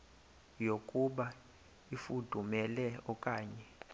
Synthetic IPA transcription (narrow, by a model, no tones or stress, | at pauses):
jokʼuɓa | ifud̥ʱumɛlɛɔkʼaːɲɛ